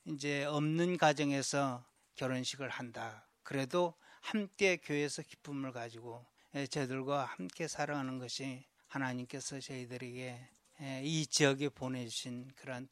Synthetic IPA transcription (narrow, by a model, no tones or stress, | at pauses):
ind͡ʑe̞ʌmnɯnkwad͡ʑʌŋe̞sʰʌ | kjʌɾonɕʰiɡɯɭhanda | kɯɾe̞dohamk͈e̞kjoe̞sʰʌki̥p͈umɯɭkad͡ʑiɡo | et͡ɕedɯɭɡwahamk͈e̞sʰaɾaŋɦanɯnɡʌɕʰi | hanaɲimk͈e̞sʰʌt͡ɕʌidɯɾe̞ɡe̞ | it͡ɕiʌɡepone̞d͡ʑuɕʰinkɯɾʌn